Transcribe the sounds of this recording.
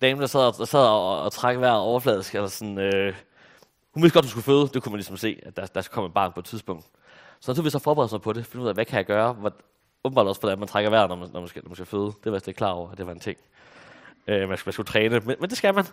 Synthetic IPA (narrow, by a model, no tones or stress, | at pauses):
d̥ɛːmn̩d̥ɑsɛð̰ˠɒd̥ɑ̈sɛð̞̰ˠɒːt͡sʰʁaɡ̥əʋæɐ̰ɒʊɐflɛ̰ːðˠsɡ̥ælɐsɒn̩ø | hunʋeisdɡ̥ɒd̥usɡ̥uføːð̞ˠd̥e̝kʰumænlisɒ̽mse̝̰ːædd̥æd̥ɑskæ̥kʰɒ̽məed̥̚bɑ̰̈ːnpʰɒ̽ed̥̚t͡sʰiðˠsb̥ɔ̽ŋ̰d̥ | sɒnæt͡sʰuɐisɒfɒːb̥eʁɛðˠmpʰɒ̽ɾe̝fɒ̥d̥iuðˠʋækʰæjɑ̈ɡ̥ɶːɐʋ | ɔ̽bm̩bɑ̈ːdɒ̽sʋɒd̥ænmænt͡sʰʁɑɡ̥ɐʋæɐ̰nɒmnɒmænsɡ̥nɒmænsɡ̥æføːð̞ˠd̥e̝ʋslekʰlɑ̈ːɒ̰ʊɐæd̥e̝ʋɑ̈e̝nt͡sʰe̝ŋ̰ | ømænsmænsɡ̥ut͡sʰʁɛːnəmenmend̥e̝sɡ̥æmæn